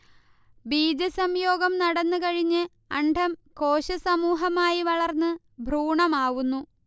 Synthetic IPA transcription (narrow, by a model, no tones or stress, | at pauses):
biːd͡ʑɐsɐmjo̞ːɡɐmnɐɽɐnːɨkɐɻiɲːɨ | ɐɳɖʱɐmko̞ːɕɐsɐmuːɦɐmaːjiʋɐɭɐrnːɨ | bʱruːɳɐmaːʋunːu